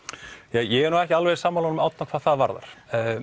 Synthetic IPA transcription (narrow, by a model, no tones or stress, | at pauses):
jɛjɛɛɾnuɛhcɪalvɛðsaːmːaːlɔnʏmawt̪akʰvaːðθaðvaɾða̰ɾ̥